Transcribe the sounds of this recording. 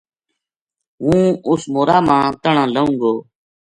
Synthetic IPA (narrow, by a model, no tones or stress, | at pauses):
ɦũːʊsmoːɾaːmãːt̪əɳãːləũːɡoː